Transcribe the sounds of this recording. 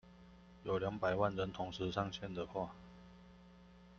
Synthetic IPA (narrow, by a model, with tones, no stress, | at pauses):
jo˨˩ʊljɑ˧˥ŋpa˨˩ɪwa˥˨nɻə˧˦˥nt̪ʰʊ˧˥ŋʂɻ̩˧˥˦ʂɑ˥˧ŋɕʰjɛ˥˨nd̪ə˩xwa˥˧